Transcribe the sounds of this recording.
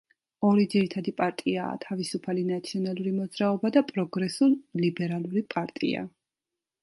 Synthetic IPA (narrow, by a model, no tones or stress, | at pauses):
ɔɾid̪ziɾit̪ʰad̪ipʼaɾt̪ʼia̰ːt̪ʰavisupʰalinat̪sʰiɔnalˠuɾimɔd̪zɾaɔbad̪apʼɾɔɡɾɛsullibɛɾalˠuɾipʼaɾt̪ʼḭa̰